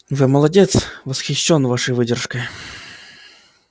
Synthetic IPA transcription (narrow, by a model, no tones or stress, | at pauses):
vɨməlˠɐdʲet̪svəsxʲɪɕːonvaʂəjvɨdʲɪrʂkəj